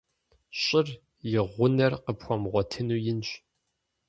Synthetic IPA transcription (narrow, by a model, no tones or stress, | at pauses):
ɕʼɪr | jɪʁʷʊnɐrqəpxʷɔmʁʷɔtʰɨnuːjɪnɕ